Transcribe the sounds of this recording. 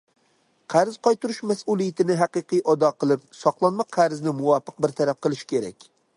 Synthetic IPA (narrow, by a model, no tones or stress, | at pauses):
qʰæɾz̥qɒjt̪ʰʊɾʊʃmæsulˠijɪt̪ɪnɪɦaqɨqʰɨjʔɒd̪ɒqʰɨlˠɪp̚sɒqlˠɑnmɑqʰæɾznɪmʊwɑfɨq̚bɪɾt̪ʰaɾap̚qʰɨlˠɪʃkʲʰeɾɛ̰kʲ